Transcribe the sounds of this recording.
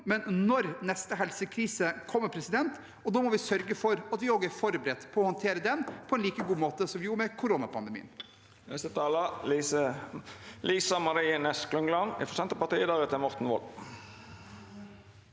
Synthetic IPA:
mɛnnɔɾnɛst̪əɦɛlsəkʰɾiːsəkʰɔmːəpʰɾɛsɪd̪ɛnt̪ | ɔd̪ɑːmɔʋɪsœɾɡəfɔɾɑt̪ʋɪoːɡəæɾfɔɾbəɾɛt̪ːpʰɔɔhɔnt̪ʰeːɾəd̪ɛnpʰɔɛnliːkəɡuːmoːt̪əsɔmʋɪjuːɾmɛkʰʊɾoːnɑpʰɑnd̪əmḭːən | nɛst̪ət̪ʰɑːlə | liːsɑmɑɾiːənɛsklʉŋlɑnɪ̰fɔsɛnt̪əpɑt̪iːd̪ɑːʁət̪ɛmɔɾt̪n̩ʋɔ̰l

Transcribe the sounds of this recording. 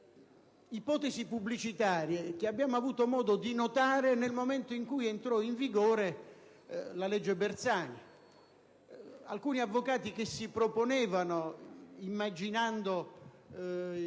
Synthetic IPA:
ipɔːt̪ezipublit͡ʃit̪aːɾjek̟eabːjaːmoavuːt̪omɔːd̪od̪inot̪aːɾenelmomɛnt̪oiŋkujent̪ɾɔiɱviɡɔːɾe | lalɛd͡ʒːebert̪saːna | a̰lkuːniavːokaːt̪ik̟esːipɾoponɛːvanoimːad͡ʒinand̪o

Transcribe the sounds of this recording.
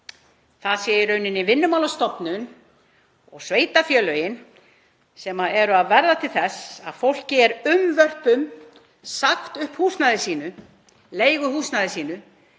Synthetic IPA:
θaðsjɛːjɪɾœɥnɪnɪvɪnːʏmawlast̪ɔpnʏn | ɔɣsveːjt̪afjœːlœːjɪn | sɛːmaɛɾʏaðvɛɾðat̪ʰɪlθɛsaðfowl̥cɪɛɾʏmvœr̥pʏm | saxt̪ʏhphuːst̪naðɪsiːnʏ | leːjɣʏhuːsnaðɪsiːnʏ

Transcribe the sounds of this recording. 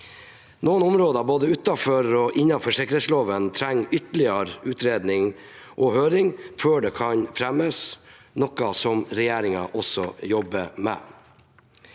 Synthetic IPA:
noːnʊmɾoːd̪ɑboːd̪əʉt̪ːɑfɔɾɔʔɪnːɑnfɔʂɛkəɾet̪sloːʋənt̪ʰɾɛŋːʏt̪əlɪɑɾʉːt̪ɾeːd̪nɪŋ | ʔɔhøːɾɪŋføːɖɛːkʰɑɲfɾɛməs | nɔkːɑsɔmɾɛjeːɾɪŋɑʔɔsɔjɔbəmɛ̰

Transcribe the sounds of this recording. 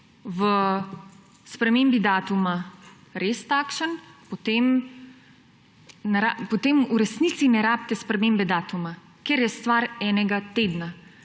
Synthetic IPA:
ʋə | spɾɛmeːmbid̪aːt̪uma | ɾeːst̪aːkʃənpot̪eːm | nɛɾapot̪emuɾɛsniːsinɛɾaːp̚t̪ɛspɾɛmembɛd̪aːt̪uma | keɾjɛst̪ʋaːɾɛːnɛɡat̪eːd̪na

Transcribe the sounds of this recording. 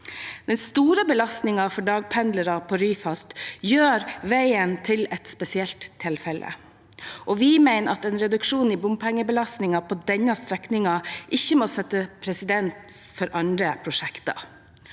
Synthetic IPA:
d̪̥ɛnst̪uːɾəbəlɑst̪nɪŋɑfɔɖɑːɡ̚pʰɛnd̪ləɾɑpʰɔɾyːfɑst̪jøːɾʋæɪənt̪ʰɪlɛt̪spɛsɪɛlt̪ʰːɪlfɛlʔə̰ | ʔɔʋɪmæɪnɑt̪ɛːnɾɛd̪ʉkʂuːnɪbʊmpʰɛŋːəbəlɑst̪nɪŋɑpʰɔd̪ɛɲːɑst̪ɾɛknɪŋɑʔɪçːəmɔsɛt̪ːəpʰɾɛsɪd̪ɛnt̪fɔɾʔɑnd̪ɾəpʰɾʊʂɛkt̪ɑ̰

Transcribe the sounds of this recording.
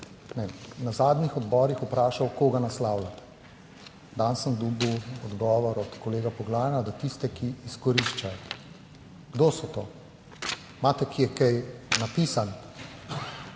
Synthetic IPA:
nɛnazaːd̪nixɔd̪bɔɾixupɾaːʃawkoːɡanaslaːwlat̪ɛ̥ | d̪ansəmd̪uːbiwɔd̪ɡɔːʋɔɾɔt̪kɔleːɡapɔɡlaːjɛnad̪at̪ist̪ɛkiːskɔɾiʃt͡ʃajɔ | ɡ̥d̪oːsɔt̪oː | maːt̪ɛkijɛkɛjnapiːsan

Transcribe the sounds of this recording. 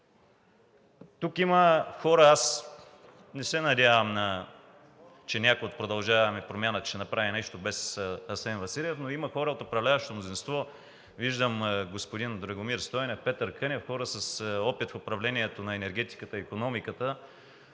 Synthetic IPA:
t̪ukiməxɔɾəas | nɛsɛnɐd̪ʲavɐmnɐ | t͡ʃɛnʲakojot̪̚pɾod̪ɐlˠʒavɐmɛpɾomʲjanət͡ʃɛnɐpɾavinɛʃt̪obɛsɐsɛnvɐsilʲɛfnoimɐxɔɾəot̪opɾɐvlʲavɐʃt̪omnozinst̪vɔ | viʒd̪əmɡospod̪ind̪ɾɐɡomiɾst̪ɔjnɛfpɛt̪əɾkɤnʲɛfxɔɾəsɐsɔpit̪fʊpɾɐvlɛniɛt̪onɐɛnɛɾɡʲɛt̪i̥kət̪əiːkonɔmikət̪ə

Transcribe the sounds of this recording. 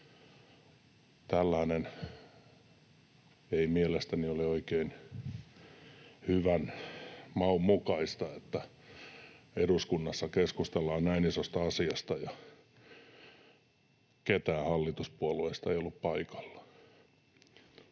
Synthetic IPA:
t̪ælːæːnen | eimielest̪ænioleoikein | hyʋænmɑummukɑist̪ɑet̪ːæ | eruskunːɑsːɑkeskust̪elːɑːnnæinisost̪ɑɑsiɑst̪ɑjɑ | ket̪æːhɑlːit̪uspuolueist̪ɑeijolːuppɑikɑ̥lːɑ̥

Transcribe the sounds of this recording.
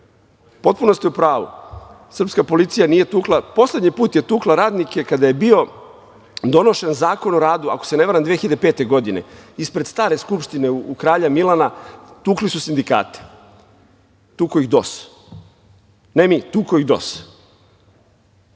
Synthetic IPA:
po̞t̪̚punost̪iupɾaːʋṵ | sr̩pskapo̞lit̪sijanije̞t̪uːklˠapo̞sled̪ɲipuːt̪je̞t̪uːklaɾaːd̪nike̞kad̪aje̞bio̞ | d̪o̞no̞ʃe̞nzaːko̞noɾaːd̪ua̰kose̞neʋaɾamnd̪ʋexiʎad̪epe̞ːt̪e̞ɡo̞d̪inḛispɾest̪aːɾe̞skupʃt̪ineuukɾaːʎamilˠanat̪uːklisusind̪ika̰ːt̪i̥ | t̪uːkoiɣd̪o̰s | nemit̪uːkoiɣd̪o̰s

